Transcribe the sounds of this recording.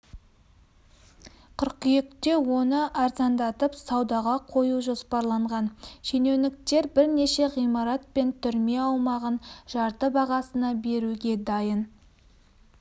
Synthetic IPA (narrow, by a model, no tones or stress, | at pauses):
qʰʏɾqijekt̪e̞wo̞nəʔɑɾzɑnd̪ɑt̪əpsɑwd̪ɑʁɑqʰo̞juʒo̞spɑɾlˠɑɴʁɑnʒenenɪk̚t̪e̞ɾbɪɾne̞ʃe̞ʁijmɑɾɑt̪̚pe̞nt̪ʰʏɾme̞ɑwmɑʁənʒ̥ɑɾt̪əbɑʁɑsənɑbe̞ɾuɡʲe̞d̪ɑjən